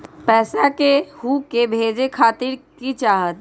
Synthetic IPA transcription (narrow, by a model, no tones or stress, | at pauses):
pɛːsakehuːkebʱeːd͡ʒekʰaːt̪ɪɾkit͡ʃaːɦət̪